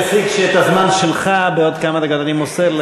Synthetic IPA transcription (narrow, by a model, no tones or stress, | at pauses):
efiɡʃeet̪azmanʃelχabeod̪̚kamad̪aɡod̪animosel